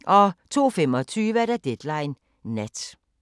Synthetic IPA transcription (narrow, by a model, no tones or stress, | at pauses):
ʔɒ̽t͡sʰo̝̰ːfemɒt͡sʰyːʋəæɐd̥æd̥ed̥lɑ̈ɪnː | ed̥